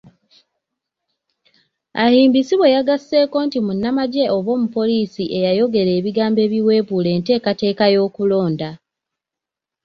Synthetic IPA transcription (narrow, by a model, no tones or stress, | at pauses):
ahiːmbisiβwe̞jaɡasːe̞ːko̞ːntimunːamaɟe̞o̞βo̞ːmupo̞liːsiʔe̞jajo̞ɡe̞ɾe̞ːβiɡaːmbe̞ːβiwe̞ːβule̞ːnte̞ːkate̞ːkajo̞ːkulo̞ːnda